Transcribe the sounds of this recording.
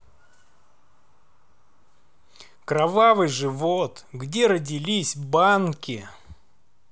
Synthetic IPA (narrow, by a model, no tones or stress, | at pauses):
kɾɐvavɨjʐɨvot̪ɡdʲeɾədʲɪlʲisʲbankʲɪ